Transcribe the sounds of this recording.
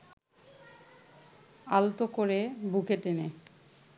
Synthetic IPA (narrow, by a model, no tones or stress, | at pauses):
alt̪okoɾebukeʈene